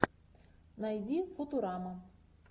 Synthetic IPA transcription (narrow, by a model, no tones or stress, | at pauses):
najzʲifut̪uɾama